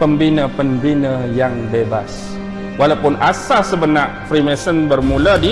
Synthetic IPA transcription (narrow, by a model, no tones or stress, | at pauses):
pəmbinəpəmbinəjaŋbeba̰s | walawpʊnasasəbənaʔfɾimɛsənbərmulədi